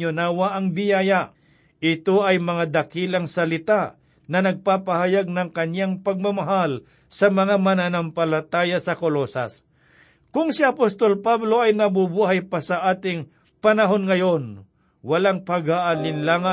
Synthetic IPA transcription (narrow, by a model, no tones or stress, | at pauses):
ʊnaːwaʔɐŋbɪjaːja | ʔɪt̪oʔɐjmɐŋad̪ɐkiːlɐŋsɐlɪt̪a | nɐnɐɡ̚paːpahajaɡ̚nɐŋkɐɲjaŋpɐɡ̚mɐmaɦal | sɐmɐŋamɐnanampɐlɐt̪aːjɐsɐkolosɐ̰s | kʊŋsɪɐpost̪olpablo̞ʔɐjnɐbubuːɦajpasɐʔaːt̪ɪŋ | pɐnɐɦonŋɐjo̞n | wɐlaŋpɐɡhaʔanɪnlaŋa